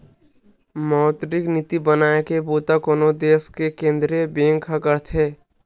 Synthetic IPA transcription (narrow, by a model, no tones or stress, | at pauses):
maʊt̪ɾɪknit̪ibənaːekeboːt̪akoːnod̪eːskekẽːnd̪ɾijəbẽːŋkʰːəkəɾt̪ʰɦeː